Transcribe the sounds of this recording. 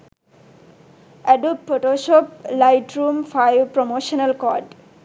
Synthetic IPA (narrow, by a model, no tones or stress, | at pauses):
ʔɛɖupfoʈoːʃoːp̚laɪʈɾũːmfaɪʋpɾomoːʃənɐlkɔːɖ